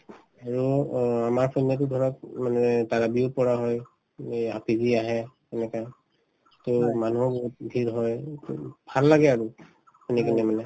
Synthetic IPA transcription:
aɹuamaɹpʰɔnatudʱɔɹɔt̚manɛtaɹabiʊpɔɹaɦɔj | apidiaɦɛ | ɛnɛka | tomanuɔboɦut̚bʱiɹɦɔj | bʱalːaɡɛaɹu | pʰenikanɛmanɛ

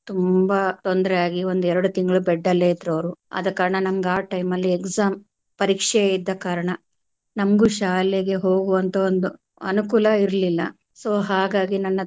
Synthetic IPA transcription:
t̪umbɐt̪ond̪ɐɾɛjaːɡio̞nd̪uɛɾɐɽut̪iŋɡɐɭubɛɖːɐlːeːid̪ɾɐʋɾuɐ̰d̪ɐkaːɾɐɳɐnɐmɐɡaːʈɐjmɐlːiekzaːm | pɐɾiːkʂɛid̪ːɐkaːɾɐɳɐ | nɐmɐɡuʃaːlɛɡe̞ɦo̞ːɡuʋɐnt̪ʰɐond̪u | ɐ̰nukulɐiɾlilːɐ̰ | soːɦaːɡaːɡinɐnːɐ

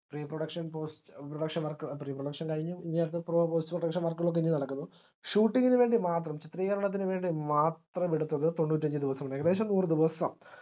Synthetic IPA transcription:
priːproɽɐkʂɐnpoːstproɽɐkʂɐnmɐrkːɐɭpriːproɽɐkʂɐnkɐɻiɲːuiɲːaːjɾɐt̪ːɨproːpoːstɨproɽɐkʂɐnmɐrkːɐɣɐɭo̞k̬ːeiɲːinɐɽɐkːunːu | ʂuːʈːiŋɡinɨʋe̞ːɳɖimaːt̪rɐmt͡ɕit̪riːɣɐɾɐɳɐt̪̬ːinɨʋe̞ːɳɖimaːt̪rɐmeɽut̪ːɐðɨt̪o̞ɳːuːt̬ːɐɲd͡ʑid̪iʋɐsɐmɳːɖeɣɐðeːɕ̬ɐmnuːrɨd̪iʋɐsɐm

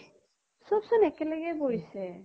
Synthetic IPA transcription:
sɔbsɔnɛkɛlɛɡɛbojsɛ

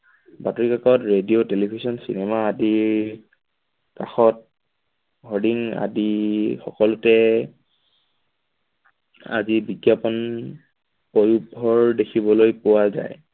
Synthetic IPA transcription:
batɔɹikakɔtɹediotelibʱisɔnsḭnɛmaːdiɹ | kaxɔt̚ | ɦɔdiŋa̰dixɔkɔlʊtɛ | a̰zibiɡjapɔn | pojubʱɔɹdekʰibɔlojpʊwaza̰j

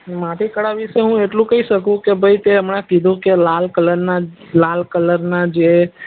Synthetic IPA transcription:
maʈ̪ikəɽaʋiʃeɦũeʈlũkəiʃəkũkebʱəit̪eəmɳakid̪ʱũkelalkələɾna | lalkələɾnad͡ʒe

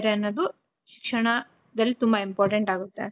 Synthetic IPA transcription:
ɾeɐnːɐːd̪u | ʃi̥kʂɐɳɐ | d̪ɐlːit̪umbɐimpaːɾʈeɳʈaːɡut̪ːe̞̰

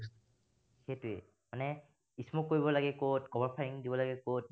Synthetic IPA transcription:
xetʊɛ̰ | manɛ | ismɔkːoɹibɔlaɡɛkotkɔbɔɹpʰaiŋdibɔlaɡɛkot̚

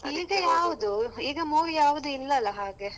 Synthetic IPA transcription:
iːɡɐjaːʋud̪uiːɡɐmoːʋijaːʋud̪uilːɐɐlːɐɦaːɡe

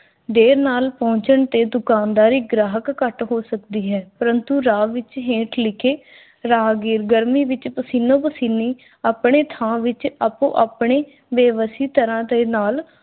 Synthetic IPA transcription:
ɖeːɾnaːlpɔ̃ːɲt͡ʃəɳt̪eːd̪ʊkaːnd̪aːɾiːɡɾaːɦəkːəʈɦoːsəkd̪iːɦɛːpəɾənt̪uːɾaːʋɪt͡ʃɦẽːʈʰlɪkʰeː | ɾaːɡiːɾɡəɾmiːʋɪt͡ʃpəsiːnõːpəsiːniː | aːpɳeːt̪ʰãːʋɪt͡ʃapõ̰ːʔaːpɳeː | ʋeːʋəsiːt̪əɾãːt̪eːnaːl

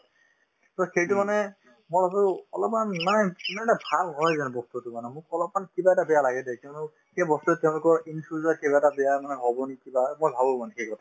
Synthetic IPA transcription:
tɔxejtʊmanɛ | moɹasʊɔlɔpmanmanɛnanɛbʱalɦɔjzanbɔstutumanɛmʊkɔlɔp̚mankibaɛtabɛjalaɡɛdɛkĩnɔ | xejbɔstuɛtːɛʊ̃lʊkɔɹinfʰɹuzɔkebaɛtabɛjamanɛɦɔbɔnikibamojbʱabɔmanɛxejɡɔtʰa

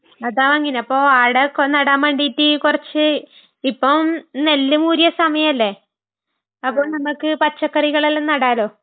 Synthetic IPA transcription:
ɐðaːʋɐŋːineɐpːoːaːɽeknɐɽaːmbɐɳɖitːikurɐt͡ɕːɨ | ipːonelːɨmuːɾijɐsɐmɐjɐmɐlːe̞ | ɐpːoːnɐmːɐkːɨpɐt͡ɕːɐkːɐriɣɐɭelːnnɐɽaːlo̞ː

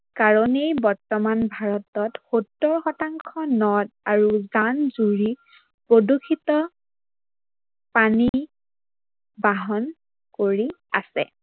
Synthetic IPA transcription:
kaɹɔnejbɔɹtɔmanbʱaɹɔtɔtxotːɔɹxɔtaŋkʰɔnɔdaɹuzanzuɹi | podokʰitɔ | pani | baɦɔn | koɹiasɛ̰

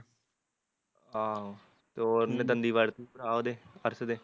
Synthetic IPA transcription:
a | t̪oːɾned̪ənd̪iːʋaɽt̪ipɾaːoːd̪eːəɾsd̪eː

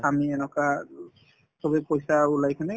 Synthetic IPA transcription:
amiɛnɔka | sɔbɛpojsaulajkʰanɛ

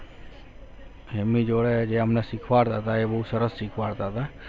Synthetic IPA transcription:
ɦemid͡ʒoːɽed͡ʒeːəmnɛsɪkʰʋaɽt̪aɦət̪aebəɦusəɾəssɪkʰʋaːɾt̪aɦət̪a

